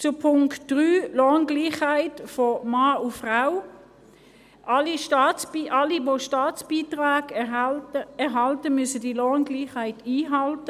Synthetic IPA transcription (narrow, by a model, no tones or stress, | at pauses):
t͡sʊpʰʊŋktd̥ʁyːloːnɡ̥liːχhaɪtfɔmɑːʊfʁaʊ | ʔɑliʃtɑːt͡sb̥iʔɑliʋoʃtaːt͡sb̥iːtʁaːɡ | ɛɦɑltəmyəsədiloːnɡliːχhaɪtiːɦɑltə